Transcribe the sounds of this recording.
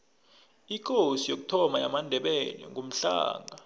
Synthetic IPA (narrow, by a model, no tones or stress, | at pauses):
ik̬ʰʼosijok̬u̥tʰɔmaja̰mandʱɛɓɛlɛ̰ŋʱum̩ɬa̰ːŋʱa